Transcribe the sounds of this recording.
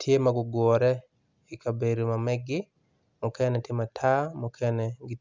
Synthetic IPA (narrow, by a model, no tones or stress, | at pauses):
tʰjemaɡʊɡwɔɾɛ | ikabeɾomamɛɡɪ | mʊkɛnɛtjematʰamʊkʰɛnɛɡi